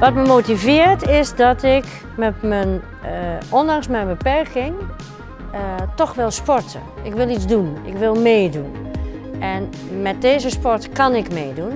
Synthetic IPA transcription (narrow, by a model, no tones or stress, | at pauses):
ʋɔtməmoːtivɪərtɪsdɔtɪk | mɛtmən | ɔndaŋsmɛjnbəpɛrkɪŋ | tɔxʋɪlˠspɔrtʰə̰ | ʔɪkʋɪlˠit͡sdunɪ̰kʋɪlˠmeːdunʔɛn | mɛt̚deːzəspɔrtkɑnɪkmeːdun